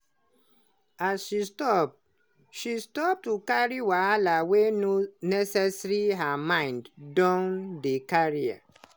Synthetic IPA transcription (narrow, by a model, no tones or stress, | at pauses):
asʃistɔp̚ | ʃistɔp̚tukaɹiwaalawenonɛsɛsɹiɦamãɪ̃nddɔ̃ndekaɹia̰